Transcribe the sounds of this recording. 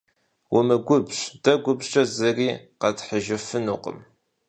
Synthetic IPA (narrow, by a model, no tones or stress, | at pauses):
wʊmɨɡʷʊbɕʼd̥ɐɡʷʊbɕʼɐzɐriːqɐdħəʒɪfɨnuːqə̰m